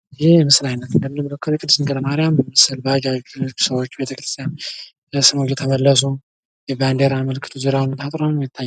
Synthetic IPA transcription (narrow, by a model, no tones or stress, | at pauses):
ɪheɛmɨslajnːət̪ɨnd̪əmːɨnɨmːkəkːəɾjɛkʼɨd̪ːɨsɨnɡʰələmaɾɪjambəməsəlbəaɡad͡ʒu̥səwot͡ʃːbe̞t̪ʰəkɾɨ̥st̪ʰjan | bəsɨmod͡ʒɛt̪ʰəməlːəs̬u | jɛband̪eɾaməlkʰɨ̥t̪ʰuzuɾawnt̪ʰat̪ʼɾonjɛt̪ʰːaj